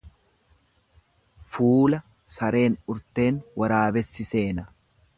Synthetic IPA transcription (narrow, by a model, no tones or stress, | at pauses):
fuːlɐ | sɐɾe̞ːnʊɾt̪e̞ːnwɐɾaːbɛsːɪse̞ːnɐ